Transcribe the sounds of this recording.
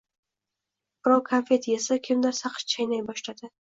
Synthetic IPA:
bɾɒwˠkʰanfe̞t̪ʰjesakʲʰɪmd̪aɾsaqʰʃt͡ʃʰajnajbɒʃlad̪ɪ

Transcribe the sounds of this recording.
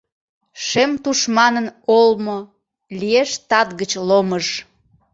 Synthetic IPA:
ʃemt̪uʃmɑnənolmo | lieʃt̪ɑt̪ɣət͡ɕloməʃ

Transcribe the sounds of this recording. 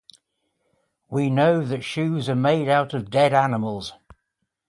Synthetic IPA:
winoʊðətʃʉːzəmeɪɾaʊtəvdɛɾanɪməlˠz̥

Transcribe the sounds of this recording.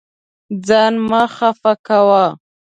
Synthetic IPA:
d͡zɑnmaxafakawa

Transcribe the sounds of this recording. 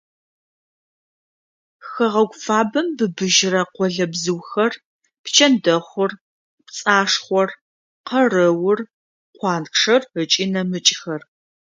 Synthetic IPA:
xɐʁɐɡʷfaːbɐmbɨbɨʒɪrɐqʷɔɮɐbzɨwxɐr | pt͡ʃʰɐndɐχʷʊr | pt͡sʼaːʂχʷɔr | qɐrɐwʊr | qʷɑːnkʂɐrət͡ʃʼinɐmɨt͡ʃʼxɐr

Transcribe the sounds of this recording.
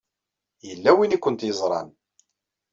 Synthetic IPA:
jəlːæwinikʷːʊnt̪jəzˤɾˤɑ̰n

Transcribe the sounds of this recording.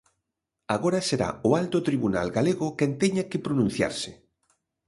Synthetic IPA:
aɣoɾaseɾa̰ʊalt̪ot̪ɾiβuna̰lɡaleɣʊkɛnt̪ɛɲakɪpɾonũn̟θja̰ɾsɪ

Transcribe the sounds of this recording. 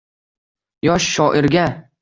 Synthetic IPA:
jɒʃːɒʔɪɾɡʲa

